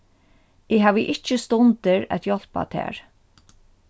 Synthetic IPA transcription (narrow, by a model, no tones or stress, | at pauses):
ɪɦæːʋəʔɪt͡ʃːɪst̪ʊnt̪ɪɹæ̰t̪jɔl̥pa̰t̪ʰɛ̰ːɹ